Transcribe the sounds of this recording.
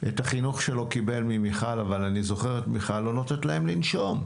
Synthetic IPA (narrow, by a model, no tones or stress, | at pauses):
ʔetaχinuχʃe̞lo̞kibe̞lmimiχalavalanizo̞χe̞ʁetmiχalːo̞notetlae̞mlinʃo̞m